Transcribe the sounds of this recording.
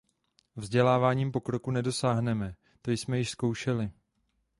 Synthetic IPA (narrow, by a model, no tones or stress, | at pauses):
vzɟɛlaːvaːɲiːmpo̞kɾo̞kunɛdo̞saːɦnɛmɛ | t̪o̞jsmɛjɪʃsko̞wʃɛlɪ